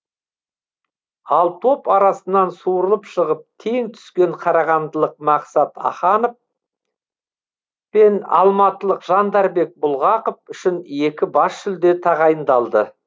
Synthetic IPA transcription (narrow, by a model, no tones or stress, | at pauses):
ɑlˠt̪ʰo̞pɑɾɑsənːɑnsuɾəlˠəpʃəʁəp̚t̪ʰe̞ŋt̪ʰʏ̥skʲe̞ɴqʰɑɾɑʁɑnd̪əlˠəq̚mɑqsɑt̪ɑ̰χɑnof | pe̞nɑ̰lˠmɑt̪əlˠəqʒ̥ɑnd̪ɑɾbe̞k̚bʊlˠʁɑqofʏʃɪne̞kʲɪbɑsʃʏld̪e̞t̪ʰɑʁɑjənd̪ɑlˠd̪ə